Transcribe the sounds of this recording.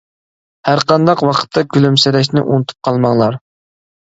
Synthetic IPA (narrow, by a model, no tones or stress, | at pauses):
hæɾqɑnd̪ɑqwɑqʰə̥t̪ʰːɑkʲʰylymsɛɾɛʃ̬nɪ̰ʔunɨt̪ʰu̥p̚qʰɑlˠmɑŋlˠɑɾ